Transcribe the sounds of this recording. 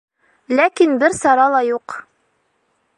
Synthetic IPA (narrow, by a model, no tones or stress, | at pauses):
lækinbɘɾsɑɾɑlˠɑjuq